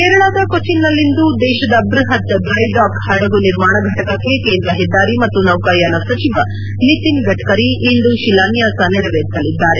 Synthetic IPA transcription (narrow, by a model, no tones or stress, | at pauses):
keːɾɐɭaːd̪ɐkot͡ʃinːɐlːind̪ud̪ɛːʃɐd̪ɐːbɾuɦɐt̪ɐɖɾɐjɖaːkhɐɽɐɡuniɾmaːɳɐɡʱɐʈɐkɐkːe̞keːnd̪ɾɐɦid̪ːaːɾimɐt̪ːunɐwkaːjaːnɐsɐt͡ʃiʋɐ | nit̪inɡɐʈkɐɾiind̪uʃilaːnjaːsɐneɾɐʋeːɾisɐlid̪ːaːɾe̞